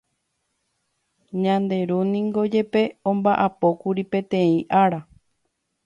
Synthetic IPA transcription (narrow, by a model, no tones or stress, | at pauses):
ɲãnd̪e̞ɾunĩŋɡo̞d͡ʒe̞pe̞õmbaʔapo̞kuɾipẽ̞t̪ẽ̞ĩʔaɾa